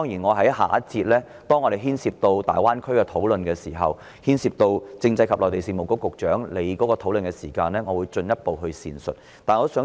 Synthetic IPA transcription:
ɔː˥ŋjiː˨˩nŋɔː˨˧ɦɐ˨˥jɦa̰ː˨ɐ˥t̚t͡siː˧t̚lɛː˥ | t̪ɔː˥ŋɔː˨˧ɾe˨˩ɦiː˥nsiː˧p̚t̪o˧wt̪a̰ː˨jwaː˥nkʰɵ˥ɥkɛː˧t̪ʰo˨˥wlɵ˨nkɛː˧siː˨˩ɦɐ̰˨w | hiː˥nsiː˧p̚t̪o˧wt͡sɪ˧ŋt͡sɐ˧jkʰɐ˨p̚lɔː˨˩t̪e˨jsiː˨˧mo˨˩kʊ˥kːʊ˨k̚t͡ʃœː˨˥ŋle˨˧jkɔː˨˥kɔː˧t̪ʰo˨˥wlɵ˨nkɛ˧siː˨˩kaː˧nlɛː˥ŋɔː˨˧wu˨˧jt͡ʃɵ˧njɐ˥t̚po˨wɦɵ˧ɥsiː˨nsɵ̰˨t̚ | t̪aː˨nŋɔ˨˧˥sœː˨˥

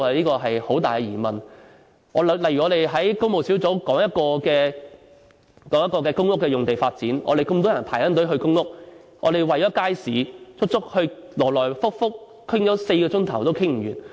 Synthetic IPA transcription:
ɐ˨liː˥kɔː˧ɦɐ˨jho˨˥wt̪aː˨kɛ˧jiː˨˩mɐ˨˩n | ɔː˨˧˨lɐ˨˩jyː˨˩ɔ˨˧ɾe˨jɦɐ˨˥jko˥wmo˨wsi˨˥wt͡so˨˥wkɔː˨˥ŋjɐ˥t̚kɔː˧kɛː˧ | kɔː˨˥ŋjɐ˥kːɔː˧kɛː˧kʊ˥ŋːʊ˥kːɛː˧jʊ˨ŋt̪e˨jfaː˧t̚t͡siː˨˥nʔɔ̰˨˧ɾe˨jkɵ˧mt̪ɔː˥jɐ˨˩npʰaː˨˩jt̪ɐ˥nt̪o˨˥wɦɵ˧ɥkʊ˥ŋːʊ˥k̚ | ʔɔ̰ː˧d̪e˨jwɐ˨jt͡ʃɔː˨˥kaː˥jsiː˨˥t͡sʊ˥k̚t͡sʊ˥k̚hɵ˧ɥlɔː˨˩lɔː˨˩jfʊ˥k̚fʊ˥k̚ | kʰːɪ˥ŋjɔː˨˥se˧jkɔː˧t͡ʃʊ˥ŋt̪ʰɐ˨˩wt̪o˥wkʰɪ˥ŋm̩˨˩ɥyː˨˩n

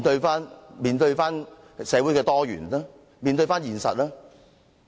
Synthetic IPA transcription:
nt̪ɵ˧ɥfaː˥nmiː˨˧nt̪ɵ˧ɥfaː˥n | sɛː˨˧˥wuː˨˥jkɛː˧t̪ɔː˥jy̰ː˨˩na˥ | miː˨˧nt̪ɵ˧ɥfaː˥njiː˨˩nsɐ̰˨t̚laː˥

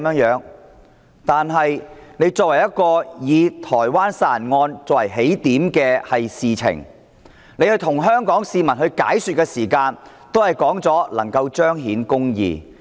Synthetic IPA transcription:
mjœ˨˧˥ŋjœː˨˧˥ŋ | t̪aː˨nɦɐ˨jne˨˧jt͡sɔː˧k̚wɐ˨˩jɐ˥t̚kɔː˧jiː˨˧t̪ʰɔː˨˩jwaː˥nsaː˨˩nŋɔː˧nt͡sɔː˧˥wɐ˨˩jɦe˨˥jt̪iː˨˥mkɛː˧hɐ˨jsiː˨t͡sʰɪ̰˨˩ŋ | ne˨˧jhɵ˧jt̪ʰʊ˨˩ŋɦœː˥ŋkɔː˨˥ŋsiː˨mɐ˨˩nhɦɵ˧ɥka̰ː˨˥jsy˨t̚kɛː˧siː˨˩kaː˧n | t̪o˥whɐ˨jkɔː˨˥ŋt͡sɔː˨˥lɐ̰˨˩ŋkɐ˧wt͡ʃœː˥ŋɦiː˨˥nkʊ˥ŋjḭː˨˧

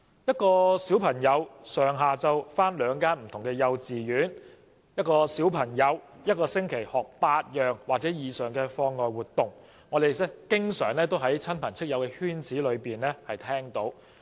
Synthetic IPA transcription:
jɐ˥t̚kɔː˧siː˨˥wpʰɐ˨˩ŋjɐ˨˧wsœː˨˩ŋɦaː˨t͡sɐ˨wfaː˥nlœː˨˧ŋkaː˥nm̩˨˩t̪ʰʊ˨˩ŋkɛː˧jɐ˧wt͡siː˨jyː˨˥n | jɐ˥t̚kɔː˧siː˨˥wpʰɐ˨˩ŋjɐ˨˧w | jɐ˥t̚kɔː˧sɪ˥ŋkʰe˨˩jhɔː˨˩k̚paː˧t̚jœː˨ŋwaː˨k̚t͡sɛː˨˥jiː˨sœː˨˩ŋkɛː˧fɔː˧ŋːɔː˨jwuː˨˩t̪ʊ˨˩ŋː | ɔː˨˧d̪e˨jɛ˥kɪ˥ŋsœː˨˩ŋlɛː˥t̪̬o˥wɦɐ˨˥jt͡sʰɐ˥npʰɐ˨˩nt͡sʰɪ˥k̚jɐ˨˧wkɛː˧hyː˥nt͡siː˨˥lɵ˨˧ɥpiː˨nɛː˥hɐ˨jt̪ʰɛː˥ŋt̪o˨˥w

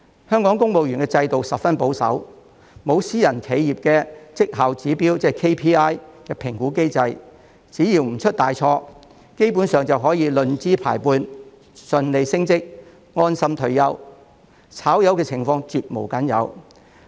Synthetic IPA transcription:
hœː˥ŋkɔː˨˥ŋkʊ˥ŋmo˨wjyː˨˩nkɛ˧t͡sɐ˧jt̪o˨wsɐ˨p̚fɐ˥npo˨˥wsɐ̰˨˥w | mo˨˧wsiː˥jɐ˨˩nkʰe˨˧jjiː˨p̚kɛː˧t͡sɪ˥k̚hɐ˨˩wt͡siː˨˥piː˥wt͡sɛː˧˥kʰe˥jpʰiː˥aː˥jkɛː˧pʰɪ˨˩ŋkuː˨˥ke˥jt͡sɐ˧j | t͡siː˨˥jiː˨˩wm̩˨˩t͡ʃʰɵ˥t̚t̪aː˨jt͡ʃʰɔː˧ | ke˥jpuː˨˥nsœː˨ŋt͡sɐ˨wɦɔː˨˥jiː˨˧lɵ˨nt͡siː˥pʰaː˨˩jpuː˧n | sɵ˨nle˨˧jsɪ˥ŋt͡sɪ˥k̚ | ŋɔː˥nsɐ˥mt̪ʰɵ˨˩ɥjɐ˨˧w | t͡sʰaː˨˥wjɐ˨˧wkɛː˧t͡sʰɪ˨˩ŋfɔː˧ŋt͡syː˨t̚mo˨˩wkɐ˨˥njɐ̰˨˧w

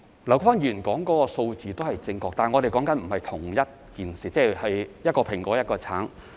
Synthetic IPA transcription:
lɐ˨˩wkfaː˥njyː˨˩nkɔː˨˥ŋkɔː˨˦˥kɔ˧so˧wt͡siː˨t̪o˥whɐ˨jt͡sɪ˧ŋkɔː˧k̚t̪aː˨˩nŋɔː˨˧ɾe˨jkɔː˨˥ŋkɐ˨˥nm̩˨˩hɐ˨jt̪ʰʊ˨˩ŋjɐ˥t̚kiː˨nsiː˨t͡sɛː˥hɐ˨jjɐ˥t̚kɔː˧pʰɪ˨˩ŋkɔː˨˥jɐ˥t̚kɔː˧t͡sʰa̰ː˨˥n

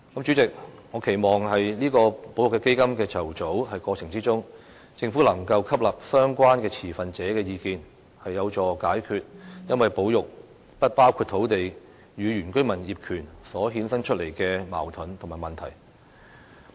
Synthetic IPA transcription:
kɐ˨˥mt͡ʃy˨˥t͡sɪ˨k̚ŋɔː˨˧kʰe˨˩jmɔː˨ŋɦɐ˨jliː˥kɔː˧po˨˥wjʊ˨˩kɛ˧ke˥jkɐ˥mkɛː˧t͡sʰɐ˨˩wt͡so˨˥whɐ˨jkɔː˧t͡sʰɪ˨˩ŋt͡siː˥t͡sʊ˥ŋ | t͡sɪ˧ŋfu˨˥lɐ˨˩ŋkɐ˧wkʰɐ˥p̚lɐ˨p̚sœː˥ŋkʷaː˥nkɛː˧t͡sʰiː˨˩fɐ˨nt͡sɛː˨˥kɛː˧jiː˨˧kiː˨˧n | hɐ˨jːɐ˨˧wt͡sɔː˨˩kaː˨˥jkʰyː˨˧t̚jɐ˥nwɐ˨jpo˨˥wjʊ˨k̚ | pɐ˥t̚paː˥wkʰu˧t̚t̪ʰo˨˥wt̪e˨j | jyː˨˧ɥyː˨˩nkɵ˥ɥmɐ˨˩njiː˨p̚kʰyː˨˩nsɔː˨˥ɦiː˨˥nsɐ˥ŋt͡ʃʰɵ˥t̚le˨˩jkɛː˧ma̰ː˨˩wt̪ʰʊ˨˥nt̪ʰmaː˨˩mɐ˨˩nt̪ʰɐ̰˨˩j

